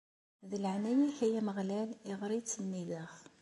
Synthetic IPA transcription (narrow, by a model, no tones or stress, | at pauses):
ðələʕnæjæçæjæməʁlælɪʁɾit͡sːənːiðəχ